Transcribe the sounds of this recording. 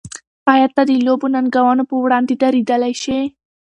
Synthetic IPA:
ɑjad̪̚t̪ːad̪ilobunanɡawanopəwɽɑnd̪ed̪aɾid̪əlajʃe

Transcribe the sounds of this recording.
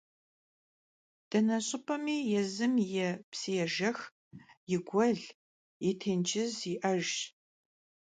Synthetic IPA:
d̥ɐnɐɕʼɪpʰʼɐmiːjɛzɨmjɛpsijɛʒɐx | jɪɡʷɐɮ | jɛtʰeːnt͡ʃɪziʔɐʒ

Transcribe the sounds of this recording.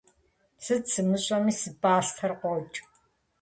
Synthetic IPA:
sɨt͡sɨmɨɕʼɐmiːsɨbaːstʰɐrqʷɔt͡ʃʼ

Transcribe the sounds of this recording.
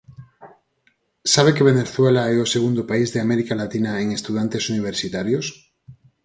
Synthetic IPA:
saβekeβ̞eneθwelaɛoseɣund̪opaizðeameɾikalat̪inaeŋest̪uðant̪esuniβ̞eɾsit̪aɾjos

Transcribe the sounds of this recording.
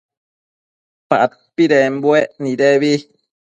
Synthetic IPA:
pa̰ʔt̚pidɛm̩bwɛʔnidɛwi

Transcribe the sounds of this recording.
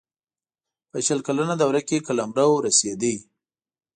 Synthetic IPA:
pəʃəlkalanad̪awɾakekalamɾawɾased̪əj

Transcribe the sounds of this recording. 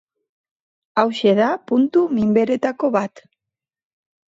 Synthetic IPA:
awʃe̞ðapunt̪umimbe̞ɾe̞t̪ako̞βat̪

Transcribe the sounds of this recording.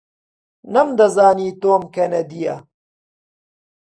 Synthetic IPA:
nɐmd̪ɐzaːniːt̪oːmkɐnɐd̪ijɐ̰

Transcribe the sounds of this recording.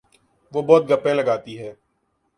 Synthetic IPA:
ʋoːbɔːt̪̚ɡʱəpːẽləɡaːt̪iɦɛː

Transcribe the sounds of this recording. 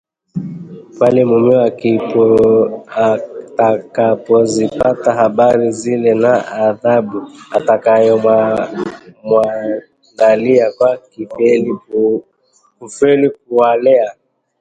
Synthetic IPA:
palɛmumɛaki | takapɔzipataɦabaɾizilɛnaaðabuatakajɔma | mwa | ŋɡaliakwakifɛli | kufɛlik̚ualɛa

